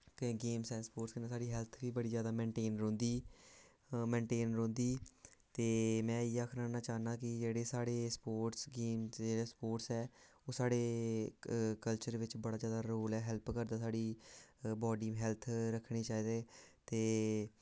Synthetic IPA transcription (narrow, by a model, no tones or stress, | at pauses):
kɡeːmsɛːspoːʈskɪnesaːɽiːɦɛlt̪ʰʋiːbəɽiːd͡ʒjaːd̪aːmɛ̃ːɳʈeːnɾõːnd̪iː | mɛ̃ːɳʈeːnɾõːnd̪iːt̪eːmɛ̃ːiːaːkʰnaːnãːt͡ʃaːnaːkɪd͡ʒeːɽeːsaːɽeːspoːʈsɡeːmd͡ʒeːleːspoːʈsɛːoːsaːɽeː | kəlt͡ʃəɾʋɪt͡ʃbəɽaːd͡ʒjaːd̪aːɾoːlɛːɦɛlpkəɾd̪aːsaːɽiːbɔːɖiːmɦɛːlt̪ʰɾəkʰːɽiːt͡ʃaːiːd̪eːt̪eː